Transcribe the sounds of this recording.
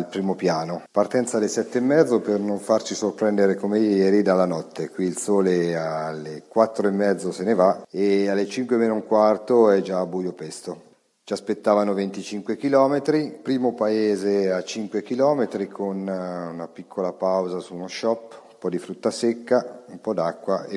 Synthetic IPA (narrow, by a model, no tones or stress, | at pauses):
lpɾiːmopjaːnopart̪ɛnt̪salːesɛt̪ːeːmːɛd̪zːopernoɱfart͡ʃisorpɾɛnd̪eɾekomejjɛːɾid̪alːanɔt̪ʰːekwiːlsɔːlealːekwat̪ːɾoemːɛd̪zːosenevaealːet͡ʃiŋkwemenoiŋkwart̪oɛd͡ʒaːbːujopɛst̪o | t͡ʃiaspet̪ːaːvanovent̪it͡ʃiŋkwekilɔːmet̪ɾipɾiːmopaeːzeat͡ʃiŋkwekilɔːmet̪ɾikʰonunapikʰːolapawzasuːnoʃɔpːumpɔd̪ifɾut̪ːasekːaumpɔd̪akːwae